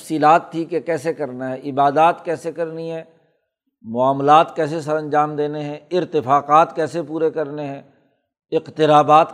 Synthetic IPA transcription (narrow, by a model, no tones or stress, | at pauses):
fsiːlaːt̪ʰːikekɛːsekɐɾnaɦɛʔɪbaːd̪aːt̪kɛːsekɐɾniɦɛ̃ː | mʊaːmlaːt̪kɛːsesɐɾɐ̃nd͡ʒaːmd̪eːneɦɛ̃ɪɾt̪ɪfaːqaːt̪kɛːsepuːɾekɐɾneɦɛ̃ː | ɪqt̪ɪɾaːbaːt̪